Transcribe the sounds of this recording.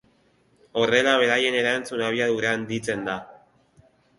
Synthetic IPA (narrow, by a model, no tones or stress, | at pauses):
o̞re̞laβe̞ɾaje̞ne̞ɾant͡sunaβ̞iaðuɾeand̪it͡se̞nd̪a